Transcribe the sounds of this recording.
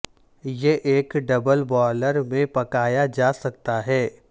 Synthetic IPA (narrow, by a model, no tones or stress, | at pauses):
jeʔeːkɖɐbəlbɔːləɾmẽpɐkaːjad͡ʒaːsɐk̚t̪aɦɛː